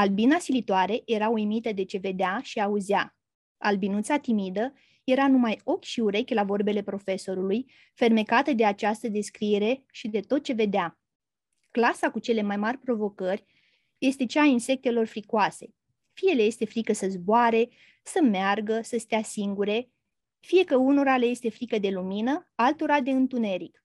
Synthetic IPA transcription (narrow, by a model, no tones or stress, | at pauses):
albinasilit̪oaɾe̞je̞ɾaujmit̪əd̪e̞t͡ʃe̞ve̞d̪eaʃiauzja | albinut̪sat̪imid̪ə | je̞ɾanumajo̞kʲʃiuɾe̞kʲlavo̞rbe̞le̞pɾo̞fe̞so̞ɾuluj | fe̞rme̞kat̪əd̪e̞at͡ʃast̪əd̪e̞skɾie̞ɾe̞ʃid̪e̞t̪o̞t̪̚t͡ʃe̞ve̞d̪ea | klasakut͡ʃe̞le̞majmarʲpɾo̞vo̞kərʲ | je̞st̪e̞t͡ʃaːinse̞k̚t̪e̞lo̞rfɾikoase̞ | fije̞le̞je̞st̪e̞fɾikəsəzboaɾe̞ | səmearɡəsəst̪easiŋɡuɾe̞ | fije̞kəuno̞ɾale̞je̞st̪e̞fɾikəd̪e̞luminəalt̪o̞ɾad̪e̞ɨnt̪une̞ɾik